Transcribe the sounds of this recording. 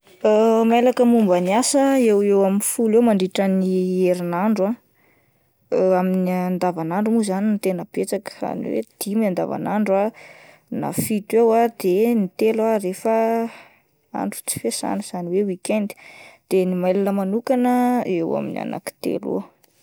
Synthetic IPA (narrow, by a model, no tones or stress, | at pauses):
əmelakəmumbəniasəewewaminfulewmaɳɖ͡ʐiʈ͡ʂənieɾinaɳɖ͡ʐua | aminiand̪avanaɳɖ͡ʐumuzaninit̪enəb̥et͡sakə̥a̰nḭwḛd̪̥imiand̪a̰va̰naɳɖ͡ʐa | na̰fit̪ewad̪enit̪elarefə | a̰ɳɖ͡ʐu̥t͡si̥fesa̰nəz̥aniwewikɛnd̪i̥d̪̥enimajlanəmanukanəḛwa̰mḭnia̰na̰ki̥t̪ḛlṵ